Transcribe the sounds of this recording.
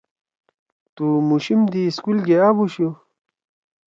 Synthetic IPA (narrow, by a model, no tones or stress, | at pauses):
t̪umuɕimd̪iːskulɡeabuɕu